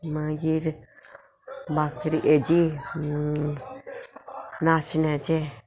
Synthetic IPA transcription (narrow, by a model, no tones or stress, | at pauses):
mãjiɾ | bakɾiʔed͡ʒi | nãʃinẽt͡ʃe